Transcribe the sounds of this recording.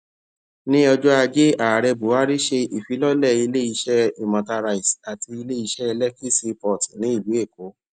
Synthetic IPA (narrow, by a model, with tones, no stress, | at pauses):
nĩ˦ɔ˧d͡ʒɔ˦a˧d͡ʒe˦a˨ɾɛ˧bu˨˦a˦ɾi˦ʃe˧ʔi˨fi˨˦lɔ˦lɛ˦˨i˧le˦i˧ʃɛ˦i˨mã˨ta˧ɾa˧i˨sa˨ti˧i˧le˦i˧ʃɛ˦ɛ˧lɛ˦ki˦si˧pɔ˨ti˨nĩ˨˦i˦˨lu˨˦e˦˨ko˨˦